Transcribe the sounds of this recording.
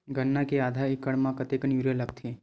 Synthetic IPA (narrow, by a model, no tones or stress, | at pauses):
ɡʱənːakead̪ʱaikəɽmãkət̪ekənjuɾjələkt̪ʰe